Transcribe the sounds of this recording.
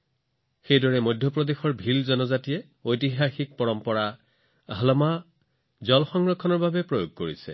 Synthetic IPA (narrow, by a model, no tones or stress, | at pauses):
xejdɔɹɛmɔjdʱjɔpɹɔdexɔɹbʱilzɔnɔzatijɛ | ojtiɦaxik̚pɔɹɔmpɔɹa | ɦalma | zɔlxɔŋɹɔkʰːɔnɔɹbabɛpɹojoɡ̚koɹisɛ̰